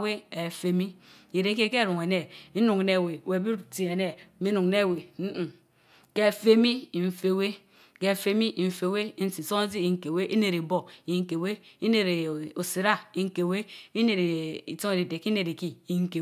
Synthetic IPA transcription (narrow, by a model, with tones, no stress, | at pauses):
we˦e˨fe˦mi˦i˨ɾe˨˦ke˦ke˦˨ɾu˨ŋe˨ne˦i˦nu˨ŋ˨ne˦˨we˨we˨bi˦ti˨e˨ne˦mi˦nu˨ŋ˨ne˦˨we˨m̩˦˨ | ke˦˨fe˦mi˦˨ɱ̩˦˨fe˦˨we˦ | ke˦˨fe˦mi˦ʔɱ̩˦fe˦˨we˦n̩˦si˨so˦ŋ˦zi˦ji˨ŋ̩˦ke˨we˦ʔi˦ne˨ɾi˨bo˦ji˨ŋ̩˨ke˨we˦i˦ne˨ɾe˨o˨si˨ɾa˦i˨ŋ̩˦ke˨we˦i˦ne˨ɾi˨to˦e˨di˨de˨ki˦ne˨ɾi˨ki˦i˨ŋ̩˦ke˨